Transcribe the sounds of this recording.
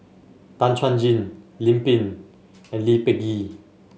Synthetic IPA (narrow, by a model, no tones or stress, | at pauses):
t̪ant͡ʃʰand͡ʒinlimpin | ɛnlipɛki